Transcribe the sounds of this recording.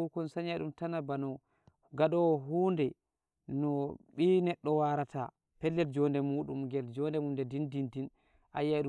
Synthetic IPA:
ukɔnsaɲaɗumtanabanɔ | ɡaɗɔwɦundɛ | nɔɓinɛɗːɔwaɾatʰa̰ | pɛlːɛld͡ʒɔndɛmuːɗumɡɛld͡ʒɔndɛmumdɛdindindin | ʔajaɗu

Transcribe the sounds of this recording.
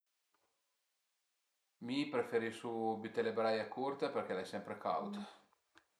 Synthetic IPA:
mipɾefeɾisubit̪elebɾajakurt̪eperk̟ɛlajsɛmpɾekʰa̰wt̪a

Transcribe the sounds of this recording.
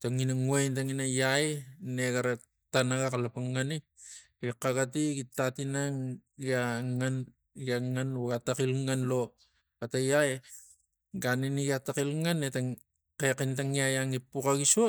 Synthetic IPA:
taŋinaŋuajntaŋinajajneɡaɾa | tanaɡakalapaŋːani | ɡikaɡat̬iɡitatinaŋɡaŋan | ɡaŋanuɡatakilŋanlo | atajaj | ɡaniniɡatakilŋanːetaŋ | kekintaŋiajaŋipukaɡiso

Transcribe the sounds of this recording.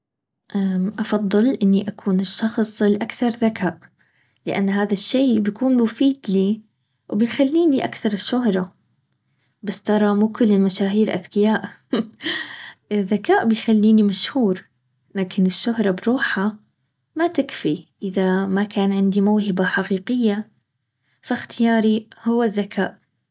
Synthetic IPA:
ʔaʔɑfɑðˤːɨlʔɪnːiʔakʰuːnɪʃːɑxsˤɪlʔakθɑɾˤðakaːʔ | lɪʔa̰nːɦaːðaʃːeːbjakuːnmʊfiːd̪liː | wbɪjxalːiːniʔa̰kθɑɾˤɪʃːʊɦɾˤɑ | bast̪ɑɾˤɑmuːkʊlːɪlmaʃaːɦiːɾʔa̰ðkɪjaːʔ | ɪðːakaːʔbɪjxalːiːnimaʃhuːɾ | laːkʰɪnɪʃːʊɦɾˤɑbɾuːħa | mat̪ɪkfiʔɪðamakaːnʕɪnd̪imaːhɪbaħaqiːqɪjːa | faxt̪ɪjaːɾihʊwːaðːakʰaːʔ

